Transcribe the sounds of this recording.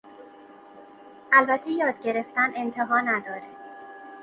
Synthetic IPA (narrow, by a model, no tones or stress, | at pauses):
ʔælbæt̪ʰːejɒːd̪̚ɟe̞ɾe̞ft̪æne̞nt̪ʰeɦɒːnæd̪ɒːɾe